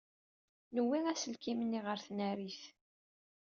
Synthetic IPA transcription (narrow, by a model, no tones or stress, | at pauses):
nəwːiʁæsəlkimənːiʁəɾθnæɾiθ